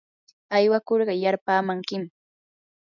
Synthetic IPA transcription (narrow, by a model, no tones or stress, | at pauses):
ajwakoɾɢɑjaɾpaːmaŋkɪm